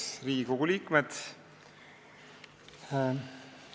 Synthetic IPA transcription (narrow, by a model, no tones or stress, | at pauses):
sriːɡikoɡuliːkmed̪̥